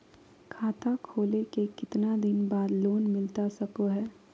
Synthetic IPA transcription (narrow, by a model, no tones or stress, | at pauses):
kʰaːt̪akʰoːlekekɪt̪nad̪ɪnbaːd̪loːnmɪlt̪asɐkoɦɛː